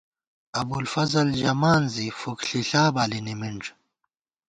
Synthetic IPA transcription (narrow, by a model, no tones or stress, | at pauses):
ɐbulfɐzɐld͡ʑɐmaːnzifokɬiɬaːbaːlinimiɳʈ͡ʂ